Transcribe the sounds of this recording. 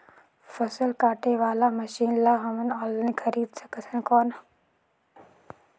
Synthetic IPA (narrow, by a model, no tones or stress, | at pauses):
fəsəlkaːʈʰeʋaːlamɐʃiːnlaɦɐmənaːlənikʰəɾiːd̪səkʰəsʰənkɔːn